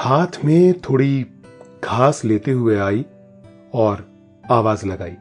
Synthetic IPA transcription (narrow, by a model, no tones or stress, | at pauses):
haːt̪ʰmẽt̪ʰoːɽiɡʰʱaːsleːt̪eɦʊeaːi | ɔːɾ | aːʋaːzlɐɡa̰ːiː